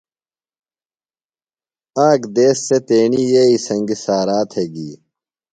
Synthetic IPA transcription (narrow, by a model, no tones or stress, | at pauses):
aːɡd̪eːsːet̪eːniːjeːisɐŋɡisaːɾaːt̪heɡiː